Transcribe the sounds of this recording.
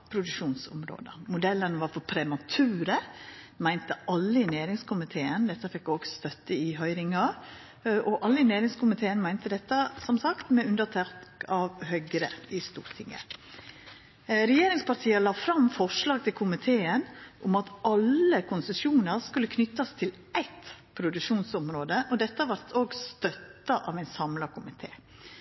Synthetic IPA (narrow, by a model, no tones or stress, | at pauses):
pʰɾʊd̪ʉkʂuːnsʊ̰mɾo̰ːd̪əmʊd̪ɛlːənʋɑɾfɔpʰɾɛmɑt̪ʰʉːɾə | mæɪnt̪əʔɑlːəɪneːɾɪŋskʰʊmɪt̪ʰeːənd̪ɛt̪ːəfɛkːoːɡ̥sst̪œt̪ːəɪɦœʏɾɪŋɑ | ʔɔʔɑlːəɪneːɾɪŋskʊmɪt̪ʰeːənmæɪnt̪əd̪ɛt̪ːəsɔmsɑkt̪mɛʉnd̪ət̪ʰæɾt̪kɑʋhœʏɡɾəɪst̪ṵːɾt̪ʰɪŋːə̰ | ɾɛjeːɾɪŋspʰɑɾt̪ʰiːəlɑːfɾɑmfɔʂɭɑːɡt̪ʰɪlkʰʊmɪt̪ʰeːənʔʊmɑt̪ɑləkʰʊnsəʃjuːnəɾskʉlːəkʰnʏt̪ːɑst̪ʰɪl | æɪt̪pʰɾʊd̪ʉʂuːnsɔmɾoːd̪əʔɔd̪ɛt̪ːəʋɑɾt̪ʰoːɡst̪œt̪ːɑʔɑʋæɪnsɑmlɑkʰʊmɪt̪ʰḛː